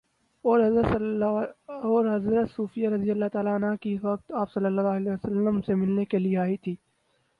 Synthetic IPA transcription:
ɔːɾɦɐzɾət̪ | ɔːɾɦɐzɾət̪suːfijaɾɐd̪ijəlːat̪aːlanɦakiʋɐk̚t̪aːpsɐlːəlːaleːəsəlːəmsemɪlnekelieaːit̪ʰiː

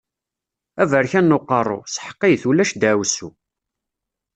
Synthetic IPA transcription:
ævəɾçænːoqːɑrˤːo̰sħə̥qːijθulæʃd̪æwsu

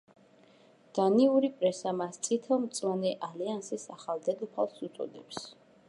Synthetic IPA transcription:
d̪̥aniuɾipʼɾɛsamast̪sʼit̪ʰɛlˠmt̪sʼwanɛʔaliansisaχalˠd̪ɛd̪ɔpʰalˠsut̪sʼɔ̰d̪ɛps

